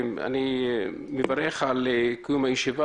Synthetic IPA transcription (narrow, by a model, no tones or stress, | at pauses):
ma̰ni | mevaɾeχalekjumajeʃiva